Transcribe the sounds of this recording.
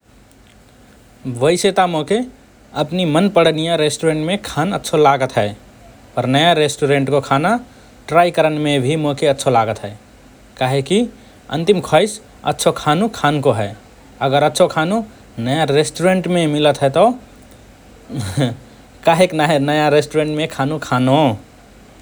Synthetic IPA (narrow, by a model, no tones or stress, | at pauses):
bəɪset̪amoke | əpnimənpəɽnijaɾesʈuɾẽɳʈmekʰanətːʃʰolaɡət̪ɦɛɪ | pəɾnəjaɾesʈuɾẽɳʈkokʰana | ʈɾajkəɾənmẽbʱimokeətːʃʰolaɡət̪ɦɛe | kaɦeki | ə̰̃nt̪imkʰɔɪs | ə̰tːʃʰokʰanukʰankoɦɛ | əɡəɾətːʃʰokʰanu | nəjaɾesʈuɾẽɳʈmẽmilət̪ɦɛt̪ɔ | kaɦeknaɦenəjaɾesʈuɾẽɳʈmẽkʰanukʰano